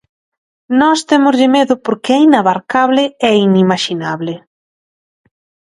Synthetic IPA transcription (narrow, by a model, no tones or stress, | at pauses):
nɔst̪emʊzʎɪmeðʊpoɾkɛinaβaɾkaβlɪɛinimaʃinaβlɪ